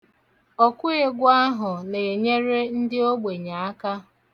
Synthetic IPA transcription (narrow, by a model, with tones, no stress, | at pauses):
ɔ˨kʷʊ˦ɣe˦ɡʷa˦ɦʊ˨ne˨e˨ɲe˦ɾe˦n̩˦dɪ˦o˦ɡ͡be˨ɲa˨a˦ka˦